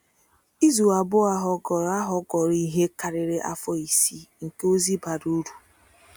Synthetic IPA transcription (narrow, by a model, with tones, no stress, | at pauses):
i˦zu˨a˨bʊ˦a˦ɦɔ˨˦˨a˦ɦɔ˦ɡɔ˨ɾi˦ɦe˦ka˨ɾɪ˨ɾɪ˦ʔa˦fɔ˦i˨si˦ŋ̩˨ke˦o˦zi˦ba˨ɾu˦ɾu˨